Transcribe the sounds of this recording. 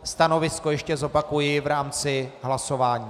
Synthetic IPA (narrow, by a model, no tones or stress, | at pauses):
st̪ano̞vɪsko̞jɛʃcɛzo̞pakujɪvɾaːmt͡sɪɦlaso̞vaːɲiː